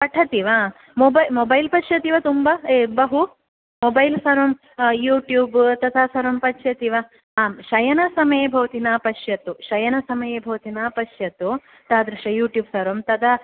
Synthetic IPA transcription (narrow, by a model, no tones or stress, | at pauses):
pɐʈʰɐt̪iʋaː | mobɐjmobɐjlpɐʃjɐt̪iʋɐt̪umbaebɐɦu | mobɐjlsɐɾɐm | juːʈjuːbt̪ɐt̪ʰasɐɾɐmpɐtʃjɐt̪iʋɐ | aːmʃɐjɐnɐsɐmɐjeːbʱɐʋɐt̪inaːpɐʃjɐt̪uʃɐjɐnɐsɐmɐjeːbʱɐʋɐt̪inaːpɐʃjɐt̪u | t̪aːd̪ɾɐʃɐjuːʈjuːbsɐɾɐmt̪ɐd̪ɐ